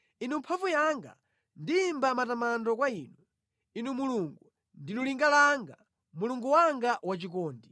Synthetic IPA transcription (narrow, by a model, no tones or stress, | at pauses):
inumpʰavujaŋɡa̰ | ndiːmbamatamandɔkwaiːnu | inumuluŋɡu | ndinuliŋɡalaŋɡa̰ | muluŋɡuwaŋɡaʔwat͡ʃik̬ɔːndi